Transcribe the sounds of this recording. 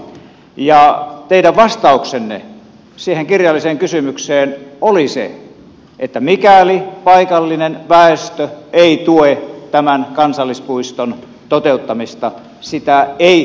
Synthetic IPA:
jɑt̪eiɾæʋʋɑst̪ɑˑuksenːḛ | siːheŋkirjɑlːˑiseːŋkysymykseːnolisḛ | ʔet̪ːæmikælipɑikɑlːinenʋæˑest̪øʔeˑit̪uet̪æmænkɑnsɑlːispuist̪on | t̪ot̪eut̪ːɑmist̪ɑ | sit̪æeˑi

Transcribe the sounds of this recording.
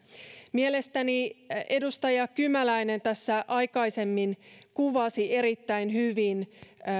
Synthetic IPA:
miele̞st̪ænie̞dust̪ɑjɑkymælæine̞nt̪æsːæʔɑjkɑise̞mːinkuʋɑsie̞ɾit̪ːæinɦyʋin

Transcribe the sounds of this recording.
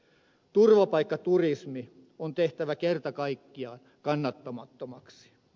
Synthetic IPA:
t̪urʋɑpɑikːɑt̪urismi | ont̪eht̪æʋækert̪ɑkɑikːiɑːn | kɑnːɑt̪ːomɑt̪ːomɑksi̥

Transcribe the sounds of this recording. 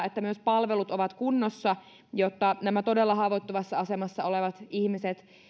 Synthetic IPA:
et̪ːæmyøspɑlʋelut̪oʋɑt̪kunːosːɑ | jot̪ːɑnæmæt̪o̞delːɑhɑːʋot̪ːoʋɑsːɑɑsemɑsːɑoleʋɑt̪ihmiset̪

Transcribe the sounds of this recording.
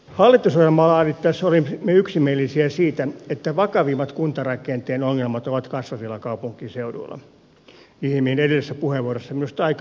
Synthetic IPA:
hɑlːˑit̪ːˑusojjelmɑlɑːnit̪t̪æsolimmeyksimieˑlːˑisiæsiːt̪æet̪ːæʋɑkɑʋimːɑt̪kunt̪ɑrɑkˑent̪eːnoŋːelmɑt̪oʋɑt̪kɑsʋɑsilːɑkɑupuŋkˑiːseudṵlːɑ̰ | ihmiːnedesesːæpuheʋuorosːɑminust̪ɑik

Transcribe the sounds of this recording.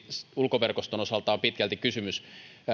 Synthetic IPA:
ulkoʋerkost̪onosɑlt̪ˑɑːpit̪kælt̪ikysymys

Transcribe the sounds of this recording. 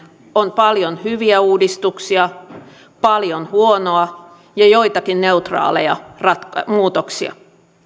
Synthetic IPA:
onpɑljonhyʋiæuːdist̪uksiɑ | pɑljonhuonoɑ | jɑjojt̪ɑkinne̞ut̪rɑ̰ːlḛjɑrɑt̪kɑmuːt̪oksiɑ̰

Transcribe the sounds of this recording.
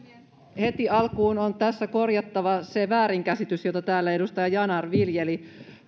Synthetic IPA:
he̞t̪iɑlkuːnont̪æsːæko̞rjɑt̪ːɑʋɑseʋæːɾiŋkæsit̪ysjot̪ɑt̪æːlːæe̞dust̪ɑjɑjɑnɑrʋiljeli

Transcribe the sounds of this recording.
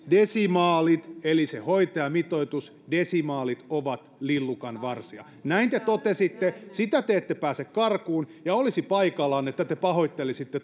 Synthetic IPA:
desimɑːlit̪elisehoit̪ɑjɑmit̪oit̪us | desimɑːlit̪oʋɑt̪lilːukɑnʋɑrsiɑ̰ | næint̪et̪ot̪esit̪ːesit̪æt̪eet̪ːepæːsekkɑrkuːnjɑolisipɑikɑlɑːnet̪ːæt̪epɑhoit̪ːelisit̪ːe

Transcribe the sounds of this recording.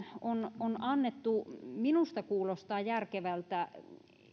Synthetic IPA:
ononɑnːet̪ːuminust̪ɑkuːlost̪ɑːjærkeʋælt̪æ

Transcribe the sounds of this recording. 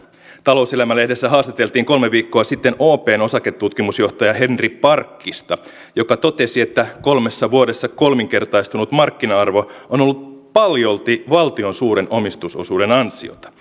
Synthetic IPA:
t̪ɑlo̞uselæmælːehdesːæɦɑːst̪it̪elt̪iːŋko̞lmeʋiːkːo̞ɑsit̪ːe̞noːpe̞ːno̞sɑket̪ːut̪kimusjo̞ht̪ɑjɑhe̞nripɑrkːist̪ɑ | jo̞kɑt̪o̞t̪e̞sie̞t̪ːæko̞lme̞sːɑʋuoɾesːɑko̞lmiŋke̞rt̪ɑist̪unut̪mɑrkːinɑɑrʋoono̞lːut̪̚pɑljo̞lt̪iʋɑlt̪io̞nsuːɾe̞nʔo̞mist̪uso̞̰suːde̞nɑnsio̰t̪ɑ̥

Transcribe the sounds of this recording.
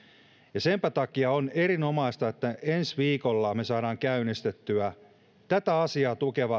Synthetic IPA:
jɑsempæt̪ɑkiɑone̞ɾino̞mɑist̪ɑet̪ːæʔe̞nsʋiːkolːɑme̞sɑːɾɑːŋkæynist̪et̪ːyæ | t̪æt̪æɑsiɑːt̪uke̞ʋɑ

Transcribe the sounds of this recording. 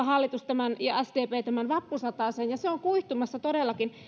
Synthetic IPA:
ɑhɑlːit̪ust̪æmænjɑæsdeːpeːt̪æmænʋɑpːusɑt̪ɑˑseːnjɑseoŋkuiht̪umɑsːɑt̪odelːɑkin

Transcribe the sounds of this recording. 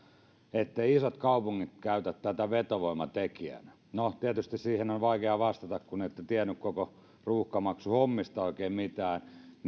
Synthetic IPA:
et̪ːeiisot̪kɑupuŋːit̪kæyt̪æt̪t̪æt̪æʋet̪oʋoimɑt̪ekiæ̰næ | not̪iæt̪yst̪issiːhenonʋɑikeɑʋɑst̪ɑt̪ɑkkuneit̪ːet̪iænːykkoko | ruːhkɑmɑksuhomːist̪ɑoikeːmmit̪æːnn

